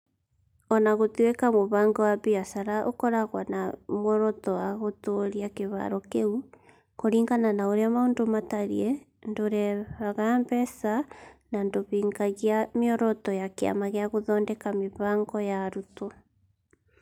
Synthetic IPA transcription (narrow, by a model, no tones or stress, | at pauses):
ɔnaɣotwekamoβaːŋɡɔwaβiasaɾaʔo̰kɔɾaɣwanamwɔɾɔtɔwaɣotoɾiakeβa̰ɾɔkeu | koɾiːŋɡananaoɾeamaoːndomataɾiɛ | ndoɾɛβaɣambɛsanandoβiːŋɡaɣiameɔɾɔtɔjakea̰maɣeaɣoðɔːndɛkameβaːŋɡɔjaɾuto